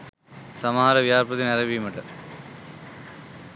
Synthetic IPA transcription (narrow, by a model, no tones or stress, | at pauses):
sɐmɐɦaːɾɐʋijaːɾpɐt̪ːinɐɾɐbimɐʈːɐ